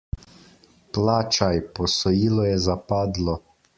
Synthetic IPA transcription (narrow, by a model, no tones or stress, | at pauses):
plaːt͡ʃajpɔsɔjiːlɔjɛzapaːd̪lɔ